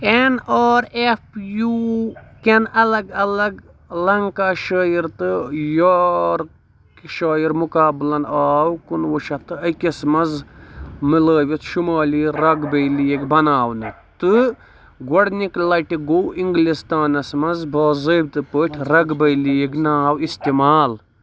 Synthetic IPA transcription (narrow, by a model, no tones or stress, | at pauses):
enɔːɾefjuːkʲenɐlɐɡɐlɐɡ | lɐŋkaːʃəːjiɾt̪ɨjoɾ | kʃaːjiɾmukaːblɐnaːwkunwuʃɐt̪ɨɐkismɐnz | mɨləːʋʲit̪ʃumaːliɾɐɡbɐjlijekbɐnaːwnɨ | t̪ɨ | ɡoɽniklɐʈiɡoːiŋɡlist̪aːnɐsmɐnzbɐːzəbt̪ɨpəːʈʲʰɾɐɡbɐjlijeɡnaːwist̪imaːl